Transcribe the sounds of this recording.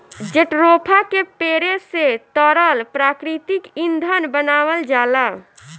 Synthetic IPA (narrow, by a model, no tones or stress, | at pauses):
d͡ʒeʈɾopʰakepeɾeset̪əɾəlpɾakɾit̪ikind̪ʱənbənawəld͡ʒala